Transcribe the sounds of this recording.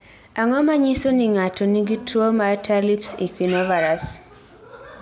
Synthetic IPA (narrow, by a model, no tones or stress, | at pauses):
aŋɔmaɲisoniŋatɔniɡitʰwomatʰalipsḭkwinɔvaɾas